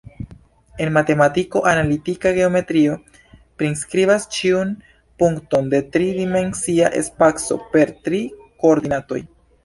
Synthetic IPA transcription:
e̞nmate̞matiko̞ʔanalitikaɡe̞o̞me̞tɾio̞ | pɾinskɾiβast͡ʃiun | puŋkto̞nde̞tɾidime̞nsiaʔe̞̰spakso̞̰pe̞ɾtɾi | koːɾd̪inato̞̰j

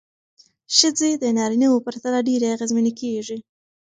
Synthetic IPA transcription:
ʃəd͡zed̪ənɑɾiniwopəɾt̪alaɖeɾaaɣezminikeʐi

